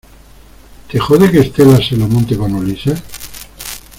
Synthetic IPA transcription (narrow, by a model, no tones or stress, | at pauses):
t̪exoðekest̪elaselamõnt̪eβanolise